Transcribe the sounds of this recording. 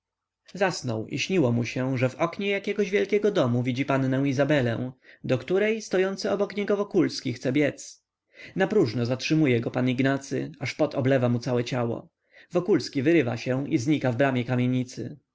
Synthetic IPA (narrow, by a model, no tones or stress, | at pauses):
zasnɔwʔḭɕɲiwɔmuɕɛʐɛvɔkɲɛjakʲɛɡɔʑvʲjɛlkʲɛɡɔd̪ɔmuvʲid͡ʑipanːɛ̃w̃izabɛlɛ̰̃w̃d̪ɔkt̪uɾɛjst̪ɔjɔnt̪sɨɔbɔkɲɛɡɔvɔkulskʲixt̪sɛbʲjɛt̪s | napɾuʐnɔzatʂɘmujɛɡɔpaniɡnat̪sɘ̰aʂpɔt̪ʰɔblɛvamut̪sawɛt͡ɕawɔ̰ | vɔkulskʲivɘɾɘva̰ɕɛ̃izɲikavbɾamʲjɛkamʲjeɲit̪sɘ̰